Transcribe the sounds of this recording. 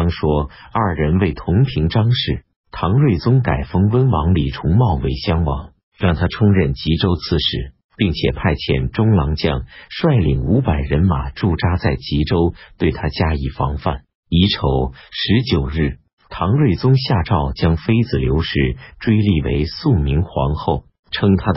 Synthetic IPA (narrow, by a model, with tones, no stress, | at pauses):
ŋʂwɔ˥ɐ˞˥˩ɻə˧˥nwe˥˩ɪt̪ʰʊ˧˥ŋpʰi˧˥ŋʈ͡ʂɑ˥ŋʂɻ̩˥˩ | t̪ʰɑ˧˥ŋɻwe˥˩ɪt͡sʊ˥ŋka˨˩ɪfɤ˥ŋwə˥nwɑ˧˥ŋli˨˩ʈ͡ʂʰʊ˧˥ŋmɑ˥˩ʊwe˧˥ɪɕjɑ˥ŋwɑ̰˧˥ŋ | ɻɑ˥˩ŋt̪ʰa˥ʈ͡ʂʰʊ˥ŋɻə˥˩nt͡ɕi˧˥ʈ͡ʂo˥ʊt͡sʰɹ̩˥˧ʂɻ̩˥˩ | pi˥˩ŋt͡ɕʰjɛ̰˨˩pʰa˥˧ɪt͡ɕʰjɛ̰˧˩nʈ͡ʂʊ˥ŋlɑ˧˥ŋt͡ɕjɑ̰˥˧˩ŋʂwa˥˩ɪlḭ˨˩ŋu˧˥pa˨˩ɪɻə˧˥nma̰˨˩ʈ͡ʂu˥˩ʈ͡ʂa˥t͡sa˥˩ɪt͡ɕi˧˥ʈ͡ʂo˥ʊt̪we˥˩ɪt̪ʰa˥t͡ɕja˥i˨˩fɑ̰˧˥ŋfa̰˥˩n | i˧˥ʈ͡ʂʰo˨˩˦ʊʂɻ̩˧˥t͡ɕjo˨˩ʊɻɻ̩˥˩ | t̪ʰɑ˧˥ŋɻwe˥˩ɪt͡sʊ˥ŋɕja˥˧ʈ͡ʂɑ˥˩ʊt͡ɕjɑ˥ŋfe˥ɪt͡sɹ̩˨˩ljo˧˥ʊʂɻ̩˥˩ʈ͡ʂwe˥ɪli˥˩wḛ˧˥ɪsu˥˩mi˧˥ŋxwɑ̰˧˥ŋxo˥˩ʊ | ʈ͡ʂʰɤ˥ŋt̪ʰa˥d̪